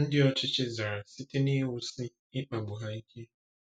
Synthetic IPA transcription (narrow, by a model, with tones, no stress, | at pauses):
n̩˦di˦ɔ˦t͡ʃi˦t͡ʃi˦za˨ɾa˨si˦ti˦ni˦ɦu˨si˦ | i˦k͡pa˨bu˨ɦa˦i˦kʰi˦